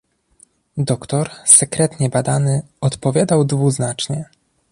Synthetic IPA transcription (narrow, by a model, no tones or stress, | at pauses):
d̪ɔkt̪ɔɾsɛkɾɛt̪ɲɛbad̪anɘ | ɔt̪pɔvʲjad̪awd̪vuznat͡ʂɲɛ